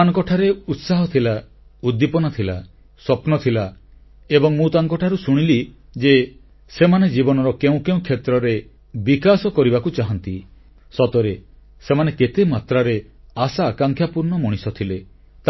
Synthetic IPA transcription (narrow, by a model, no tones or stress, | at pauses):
aŋkɔʈʰaɾeut̪saɦɔt̪ʰila | ud̪ːipɔnat̪ʰila | swɔpnɔt̪ʰila | ebɔŋmũt̪aŋkɔʈʰaɾusuɽ̃ili | d͡ʒe | semaned͡ʒibɔnɔɾɔkeũkeũkʰet̪ɾɔɾe | bikasɔkɔɾibakut͡ʃaɦɔnt̪i | sɔt̪ɔɾe | semaneket̪emat̪ɾaɾe | asaːkaŋkʰjapuɾnɔmɔɽ̃isɔt̪ʰile | t̪